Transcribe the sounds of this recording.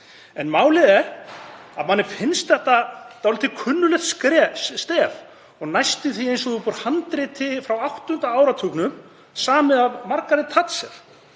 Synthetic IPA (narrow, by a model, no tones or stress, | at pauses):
ɛnmaːwlɪðɛɾa̰ðmanːɪɾ̥fɪnst̪θɛht̪at̪alɪt̪ɪkʰʏnːʏlɛxt̪skɾɛst̪ɛːv | ɔɣnajst̪ɪθiejnsɔʏpɔɾ̥hant̪ɾɪt̪ʰɪfɾawawht̪ʏn̥t̪aaːwɾat̪ʰuknʏm | saːmɪðavmaɾkaɾɪt̪ʰat̪sɛɾ̥